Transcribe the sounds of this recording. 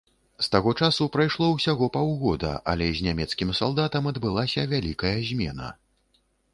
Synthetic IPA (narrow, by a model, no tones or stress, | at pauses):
st̪aɣɔt͡ʂasupɾajʂlˠɔwsʲaɣɔpawɣɔd̪ɐ̰ʔɐ̰lʲɛzʲnʲamʲɛt̪skʲimsalˠd̪at̪ɐmɐd̪bɨlˠasʲɐvʲalʲikɐjɐzʲmʲɛnɐ̰